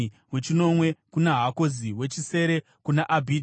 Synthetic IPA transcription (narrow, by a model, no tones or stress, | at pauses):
we̞t͡ʃino̞mwe̞kunaɦako̞ziwe̞t͡ʃise̞ɾe̞ | kunaʔabʱi